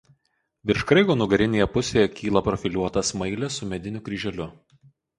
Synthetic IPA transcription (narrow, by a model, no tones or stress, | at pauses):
ʋʲɪɾʃkɾɐɪɡoːnʊɡɐɾʲɪnʲeːjɛpʊsʲeːjɛkʲʰiːlˠɐpɾɔfʲɪlʲuɔt̪ɐsmɐɪlʲɛsʊmʲɛd̪ʲɪnʲʊkɾʲiːʒʲɛlʲʊ